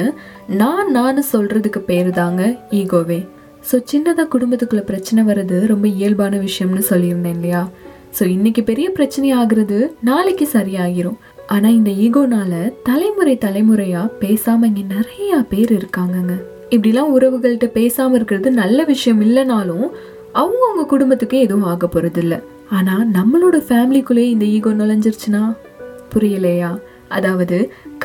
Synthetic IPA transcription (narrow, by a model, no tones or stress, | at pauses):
naːnaːnɯsɔlrɐðɯkːɯpeːɾðaːŋɡɐiːɡoːʋeː | soːt͡ʃɪnːɐt̪ãːkʊɽʊmbɐt̪ːɯkːɯɭːɐpɪɾɐt͡ʃːɐnɐʋɐɾɐðɯɾɔmbɐɪjɐlbaːnɐʋɪʂɐjɐmnɯsɔlːɪɪɾɯnd̪eːnlɐjaː | soːɪnːɪk̬ʲːɯpɛɾɪjɐpɪɾɐt͡ʃːɐnɐjaːɣɪɾɐðɯnaːlɪkːɯsɐɾɪjaːɣɪɾʊ̃ | ʔaːnaːɪnd̪ɐiːɣoːnaːlɐt̪ɐlɐɪmɯɾɐɪt̪ɐlɐɪmɯɾɐjaːpeːsaːmɐɪŋɡeːnɪɾɐjaːpeːɾɪɾɯkːaːŋɡɐŋɡɐ | ɪp̬ːɐɽɪlːãːʊɾɐʋɯɣɐɭɪʈːɐpeːsaːmɐɪɾɯkːɪɾɐðɯnɐlːɐʋɪʂɐjɐmɪlːɐnaːlʊ̃ | ɐʋɐŋɡɐʊŋɡɐkʊɽʊmbɐt̪ːɯkːɯɛðɐʋʊ̃aːɣɐpːɔɾɐðɪlːɐ | aːnaːnɐmːɐɭoːɽɐfaːmɪlikːɯɭeːɪnd̪ɐiːɣoːnaːlɐɲd͡ʒɪɾɯt͡ʃːɯnaː | pʊɾɐjɪlɐjaː | ʔɐðaːʋɐðɯk